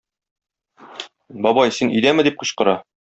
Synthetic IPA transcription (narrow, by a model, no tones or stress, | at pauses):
bɒbɑjsinɵ̆jd̪æmɘ̆d̪ip̚qŏɕqɤ̆ɾɑ